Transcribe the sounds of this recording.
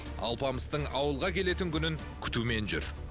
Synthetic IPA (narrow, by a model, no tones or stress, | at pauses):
ɑ̰lˠpɑməst̪əɴɑwəlˠʁɑkʲʰe̞le̞t̪ɪŋkʲʰʏnɪŋ | kʲʰʏ̥t̪ume̞nʒʏ̰ɾ